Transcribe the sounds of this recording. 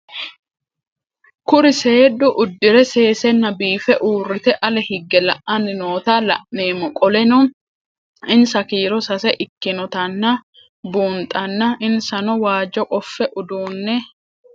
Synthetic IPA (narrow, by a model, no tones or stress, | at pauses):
kʊɾɪseːd̪ʊʔʊd̪ːɪɾɛse̞ːsɛnːɐbiːfɛʔuːrːɪt̪ɛʔɐlɛhɪɡːɛlɐʔːɐnɪno̞ːt̪aːlɐ̰ʔneːmːɔkʼɔlɛnun | ɪnsɐkiːɾɔsɐsɛʔɪkːɪnɔt̪ɐnːɐ | buːnt̪ʼɐnːɐɪnsɐnɔwaːd͡ʒɔkʼɔfːɛʔʊd̪uːnːɛ